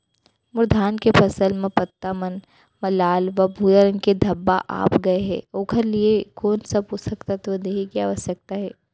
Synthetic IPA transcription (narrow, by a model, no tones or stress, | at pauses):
mʊɾd̪ʱaːnkepʰɐsəlmẽpɐt̪ːamɐn | mɐlaːlʋɐbʱuːjəɾəŋked̪ʱɐbːa̰ʔa̰ːpɡɐeɦɛ̰ːoːkʰəɾliekoːnsɐbɦosɐkt̪at̪od̪eɦekjaːʋɐsjək̚t̪aɦɛː